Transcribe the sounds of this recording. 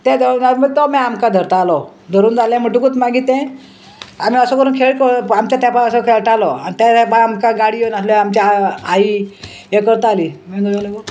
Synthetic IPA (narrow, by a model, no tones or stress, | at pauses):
t̪ɛ̃d̪mət̪ɔmɛamkad̪ʱəɾt̪aːlɔ | d̪ʱəɾuːnd͡zaljãm̤əʈukut̪maɡit̪ɛ̃ | am̤iəsɔkəɾuːnkʰeɭʈkɔamt͡ɕat̪apaəsɔkʰeɭʈalɔanit̪at̪apaamkaɡaɽijonaslɔamt͡ɕaai | ekəɾt̪aːlimɛnojalako